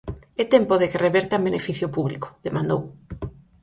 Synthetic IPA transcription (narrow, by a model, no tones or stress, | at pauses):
et̪empoðekereβeɾt̪abenefiθjopuβlḭko̥ðemãnd̪o̰w